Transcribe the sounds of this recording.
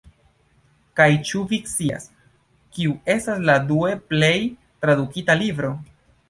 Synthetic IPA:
kajt͡ʃuviksia̰s | kiue̞stasladue̞ple̞j | tɾadukitalibɾo̞

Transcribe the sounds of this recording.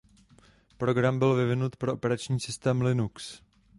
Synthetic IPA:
pɾo̞ɡɾambɪlvɪvɪnut̪pɾo̞ʔopɛɾat͡ʃɲiːsɪst̪ɛːmlɪnuks

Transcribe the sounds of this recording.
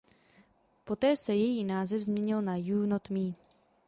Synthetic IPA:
po̞t̪ɛːsɛjɛjiːnaːzɛvzmɲɛɲɪlnajuːnot̪miː

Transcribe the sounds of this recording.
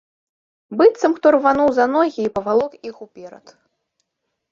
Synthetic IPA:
bɨt̪sɐmxt̪ɔrvanuwzanɔɣʲiːpɐvalˠɔkixupʲɛɾɐ̰t̪

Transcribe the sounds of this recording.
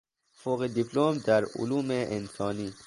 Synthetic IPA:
foɣed̪ipʰlomd̪æɾṵluːmeʔensɒːniː

